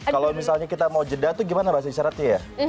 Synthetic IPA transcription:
kalomisalɲakit̪amawd͡ʒədat̪uɡimanabaɦas̬aiʃaɾat̪jaja

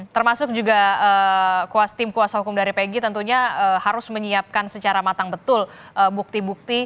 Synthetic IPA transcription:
t̪ərmasʊk̚d͡ʒuɡaəkuast̪ɪmkuasaɦukʊmdaɾipeɡit̪ənt̪uɲaəhaɾʊsməɲiap̚kansət͡ʃaɾamat̪aŋbət̪ʊlʔəbuk̚t̪ibuk̚t̪i

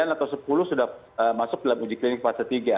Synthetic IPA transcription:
anat̪awsəpulʊhsudah | əmasʊk̚dalamud͡ʒɪklinɪk̚pasat̪iɡa

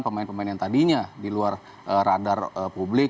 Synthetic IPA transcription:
npəmaɪnpəmaɪnjant̪adiɲadiluar | ʔəradarəpublɪ

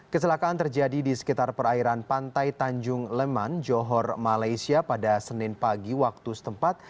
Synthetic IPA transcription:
kət͡ʃəlakaʔant̪ərd͡ʒadidisə̥kit̪arpəraiɾanpant̪ajt̪aɲd͡ʒʊŋlɛmand͡ʒɔɦɔrmalajsiapadasənɪnpaɡiwak̚t̪usə̥t̪əmpat̪̚

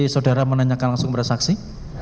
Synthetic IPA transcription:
isawdaɾamənaɲakanlaŋsʊŋbəɾsaksi

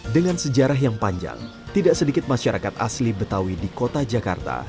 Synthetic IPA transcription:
dəŋansəd͡ʒaɾaɦjaŋpaɲd͡ʒa̰ŋ | t̪idaʔsədikɪt̪̚maʃaɾakat̪a̰slibət̪awidikot̪ad͡ʒaka̰rt̪a̰

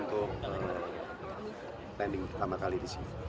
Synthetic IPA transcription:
nt̪ʊkə | pɛndɪŋprt̪amakalidisini

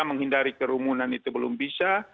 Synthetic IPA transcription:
aməŋɦindaɾikəɾumunanit̪ubəlʊmbisa

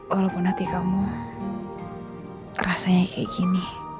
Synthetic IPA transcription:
walɔkunat̪ikamu | rasaɲakʰɛiɡini

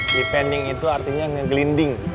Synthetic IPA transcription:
dipɛndɪŋit̪uart̪iɲaŋəɡlindɪŋ

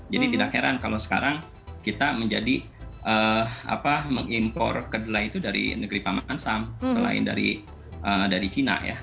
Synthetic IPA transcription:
d͡ʒadit̪idak̚heɾankalowsə̥ka̰ɾaŋ | kit̪aməɲd͡ʒadi | ʔəːa̰paməŋimpɔ̰rkədəlait̪udaɾḭnəɡɾipamansamsəla̰ɪ̰nda̰ɾḭ | ʔədaɾit͡ʃina̰ja̰

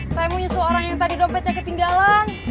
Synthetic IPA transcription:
sajamuɲasəoɾaŋjaŋt̪adidɔmpɛt̪̚ɲakət̪iŋɡalan

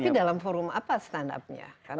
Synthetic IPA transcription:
idalamfoɾumapast̪anda̰p̚ɲa̰ka

